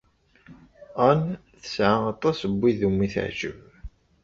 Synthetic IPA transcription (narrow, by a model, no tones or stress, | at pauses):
ænθə̥sʕaɑt̪ˤːɑsəbʷːiðumːiθə̰ʕʒə̰v